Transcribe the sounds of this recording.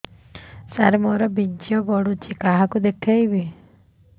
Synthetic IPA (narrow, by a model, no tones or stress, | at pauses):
saɾmɔɾɔbint͡ʃijɔbɔɽut͡ʃikaɦakud̪ekʰajbi